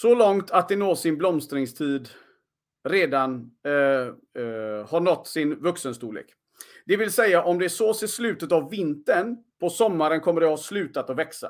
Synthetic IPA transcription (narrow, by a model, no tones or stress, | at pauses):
sɔlɔŋt̪ʰat̪̚d̪ɛnoːsɪnblɔmst̪ɾɪŋst̪ʰiːd̪ | ɾeːd̪an | haɳɔt̪ːsɪnvɵksənst̪uːlḛːk | d̪ɛvɪlsɛjːaʔɔmd̪ɛæʂoːsɪslʉ̟ːt̪ət̪avːɪnt̪ənpʰɔsɔmːaɾənkʰɔmːəɖɛhɑslʉ̟ːt̪at̪ɔvɛksa̰